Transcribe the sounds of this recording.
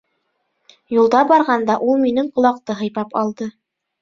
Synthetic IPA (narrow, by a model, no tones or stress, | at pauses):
julˠd̪ɑbɑɾʁɑnd̪ɑʔulˠminɘɴqŏlˠɑq̚t̪ɤɦɤ̆jpɑpɑlˠd̪ɤ